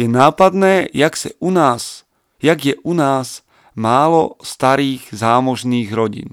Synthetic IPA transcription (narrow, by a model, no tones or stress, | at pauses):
jɛnaːpad̪nɛːjaksɛ̰ʔunaːs | jaɡjɛʔunaːs | maːlɔst̪aɾiːɣzaːmɔʒniːɣɾɔɟḭn